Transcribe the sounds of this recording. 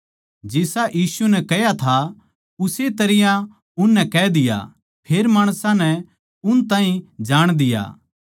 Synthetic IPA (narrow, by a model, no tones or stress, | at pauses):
d͡ʒɪsaʔjiːsunɛkɛjat̪ʰa | ʊset̪ɐɾɪjã | ʊnːɛkɛːd̪ɪja̰ | pʰeːɾmaːɽ̃sãnɛ | ʊnt̪ãːɦĩd͡ʒaːɽ̃d̪ɪja̰ː